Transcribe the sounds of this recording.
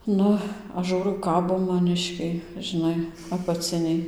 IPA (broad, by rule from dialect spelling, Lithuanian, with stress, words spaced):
ˈnʊ ˈɐʃ ˈʒuːrɐʊ ˈkɑːboː mɐˈnʲɪʃʲkʲɛɪ ʒʲɪˈnɐɪ ɐpɐˈt͡sʲɪnʲɛɪ